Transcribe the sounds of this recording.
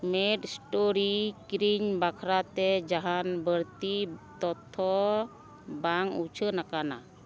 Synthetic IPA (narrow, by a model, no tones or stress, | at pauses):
meʈsʈoɾikɾiɲbakʰɾat̪ɛd͡ʒaɦanbəɾt̪it̪ɔt̪ʰːɔ | baŋut͡ʃʰənakana̰